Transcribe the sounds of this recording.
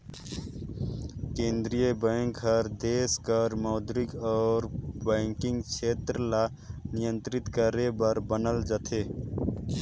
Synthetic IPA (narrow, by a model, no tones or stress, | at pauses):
kẽːnd̪ɾijəbəːŋkɦəɾd̪eːskəɾmɔːd̪ɾɪkɔːɾbɛŋkɪ̃ŋɡt͡ʃʰeːt̪ɾla | nɪjə̃nt̪ɾɪt̪kəɾebəɾbənəld͡ʒət̪ʰeː